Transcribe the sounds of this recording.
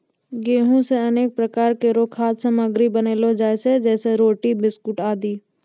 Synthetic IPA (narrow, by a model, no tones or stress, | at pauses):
ɡeːɦõseɐneːk̚pɾəkaːɾkeɾoːkʰaːt̪səməɡɾibəneːlod͡ʒaːesed͡ʒɛːseɾoːʈibɪskʊʈaːd̪iː